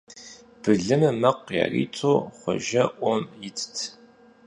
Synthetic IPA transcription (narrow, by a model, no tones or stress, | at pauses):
b̥ɨɮɨmɨmɐqja̰rḭːt͡sʰoːχʷɔ̰ʒɐʔʷɔmjɪtʰtʰ